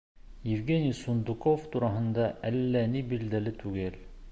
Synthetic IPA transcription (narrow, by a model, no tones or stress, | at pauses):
jɘ̆vɡenʲijsund̪ukoft̪uɾɑɦɤ̆nd̪ɑʔælːænibild̪ælɘt̪ʉɡɘl